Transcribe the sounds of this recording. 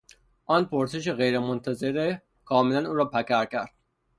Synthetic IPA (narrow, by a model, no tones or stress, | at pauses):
ʔɒːnpʰoɾse̞ʃ̬eɣejɾemont̪ʰæzeɾe | kʰɒːmelænuːɾɒːpʰækʰæɾcʰæɾd̪̥̚